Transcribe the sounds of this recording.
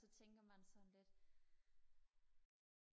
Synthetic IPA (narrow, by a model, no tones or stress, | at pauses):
sɒ̽t͡sʰeŋ̰ɡ̥ɐmænsɒ̽nle̝d̥